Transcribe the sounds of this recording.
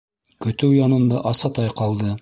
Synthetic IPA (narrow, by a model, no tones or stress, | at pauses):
kɵ̆t̪ɘwjɑnɤ̆nd̪ɑʔɑsɑt̪ɑjqɑlˠd̪ɤ